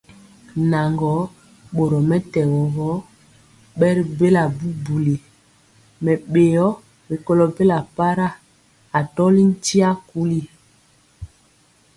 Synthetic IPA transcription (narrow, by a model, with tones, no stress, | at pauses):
na˨ŋɡɔ˨˦ | ɓo˨ɾɔ˨mɛ˦tɛ˨wɔ˨ɣɔ˦ | ɓɛ˦ɾi˦be˦la˨bu˦bu˨li˨ | mɛ˨ɓe˨jɔ˦ | be˨ko˦lɔ˨be˦la˨pa˦ɾa˦˨ | a˨tɔ˦li˦n̩˦ti˦a˦ku˦li˦